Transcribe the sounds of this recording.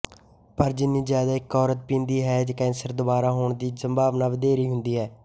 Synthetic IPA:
pəɾd͡ʒɪnːĩːzjaːd̪aːɪkːɔːɾət̪̚pĩːnd̪iːɦɛːd͡ʒəkɛ̃ːnsəɾd̪ʊbaːɾaːɦoːɳd̪iːzəmbaːʋnaːʋəd̪eːɾiːɦʊnd̪iːɦɛː

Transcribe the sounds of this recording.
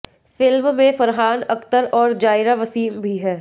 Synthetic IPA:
fɪlmmẽfɐɾɦaːnɐkt̪əɾɔːɾd͡ʒaːɪɾaʋɐsiːmbʱiɦɛː

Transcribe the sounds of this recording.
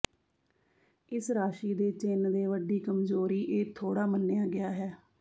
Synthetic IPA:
ɪsɾaːʃiːd̪eːt͡ʃɪnd̪eːʋəɖiːkəmzoːɾiːʔeːt̪ʰoːɽaːmənːjaːɡɪjaːɦɛː

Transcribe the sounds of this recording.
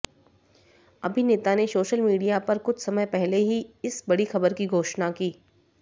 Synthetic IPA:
ɐbʱineːt̪anesoːʃəlmiːɖijapɐɾkʊt͡ʃʰsɐməjpɛɦleɦiɪsbɐɽixɐbəɾkiɡʱoːʃnakiː

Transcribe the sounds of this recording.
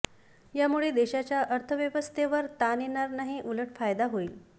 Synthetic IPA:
jamuɭed̪eɕat͡ɕjaʔəɾt̪ʰəʋjəʋəst̪ʰeʋəɾt̪anenaɾnaɦiʔuləʈfajd̪aɦoiːl

